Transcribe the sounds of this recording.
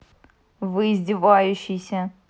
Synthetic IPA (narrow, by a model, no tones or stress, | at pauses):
vɨɪzʲdʲɪvajʊɕːɪjsʲɐ